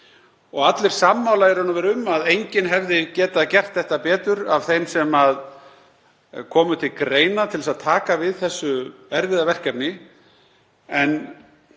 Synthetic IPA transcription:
ɔɣat̪lɪɾ̥samːawlaɛɾhanavɛɾʏmaðejɲcɪnɦɛvðɪcɛːt̪aðcɛr̥t̪θɛht̪apɛːt̪ʏɾav̥θejmsɛmað | kʰɔːmʏt̪ʰɪlkɾeːjnat̪ʰɪlsaðt̪ʰaːkavɪðθɛsːʏɛɾvɪðavɛr̥capnɪ | ɛn

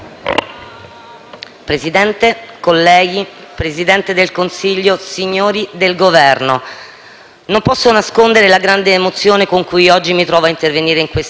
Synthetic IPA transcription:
pɾezid̪ɛnt̪ekolːɛːɡi | pɾezid̪ɛnt̪ed̪elkonsiʎːosiɲːoːɾid̪elɡovɛrno | nompɔsːonaskond̪eɾelaɡɾand̪eːmot̪sːjoːnekoŋkujɔd͡ʒːimit̪ɾɔːvoaint̪erveniːɾeiŋkwes

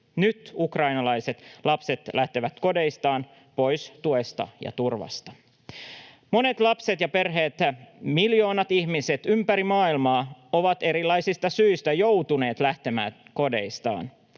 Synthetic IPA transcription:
nyt̪ukrɑjnɑlɑjse̞t̪lɑpse̞t̪læht̪e̞ʋæt̪ko̞de̞jst̪ɑːn | po̞jst̪ue̞st̪ɑ̰jɑ̰t̪urʋɑ̰st̪ɑ̥ | mo̞ne̞t̪lɑpset̪jɑpe̞rɦeːt̪miljo̞ːnɑt̪ihmiset̪ympæɾimɑːilmɑːo̞ʋɑt̪e̞ɾilːˑɑjsist̪ɑsyːst̪æjowt̪une̞ːt̪læht̪e̞mæ̰ːko̞de̞̰ist̪ɑ̰ːn

